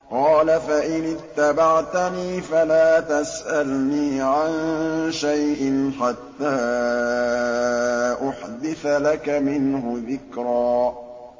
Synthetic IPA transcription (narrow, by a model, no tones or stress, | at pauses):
qɑːlafaʔɪnɪt̪ːabaʕt̪aniːfalaːt̪asʔalniːʕanʃajʔɪnħat̪ːaː | ʔʊħd̪ɪθalakamɪnhʊðɪkɾˤɑː